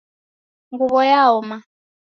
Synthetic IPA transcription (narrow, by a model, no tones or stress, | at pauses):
ŋɡuβɔjaɔma